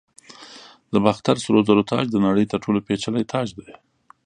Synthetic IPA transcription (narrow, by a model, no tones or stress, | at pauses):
d̪əbaxt̪aɾsʊɾozaɾot̪ʰɑ̰d͡ʒd̪ənaɽəjt̪əɾʈʰolopet͡ʃalat̪ʰɑd͡ʒd̪e